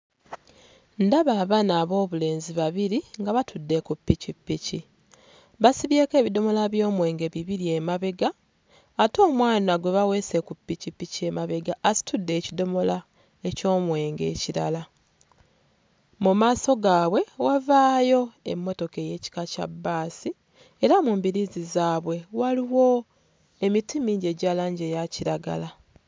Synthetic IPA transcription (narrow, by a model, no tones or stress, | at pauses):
ndaβaβanaːβo̞ːβule̞ːnziβaβiɾiŋɡaβatʰudːe̞kupːicipːici | βasiβje̞ːke̞ːβido̞mo̞laβjo̞ːmwe̞ːŋɡe̞βiβiɾie̞maβe̞ɡaː | to̞ːmwaːnaɡwe̞βawe̞ːse̞kupːicipːicie̞maβe̞ɡaʔːsi̥tudːe̞ːcido̞mo̞la | e̞co̞ːmwe̞ːŋɡe̞̰ːciɾa̰la | mumaːso̞ɡaːβwe̞wavaːjo̞e̞̰mːo̞to̞ke̞je̞ːci̥kaca̰bːaːsi | eɾamumbiɾizizaːβwe̞waliwo̞ | emitimiːɲɟe̞ɟaːlaːɲɟejaciɾaɡa̰la